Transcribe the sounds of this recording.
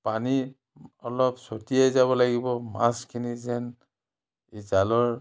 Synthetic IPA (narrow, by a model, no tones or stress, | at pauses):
pani | ɔlɔpsotijajzaβɔlaɡibɔmaskʰinizɛn | izalɔɹ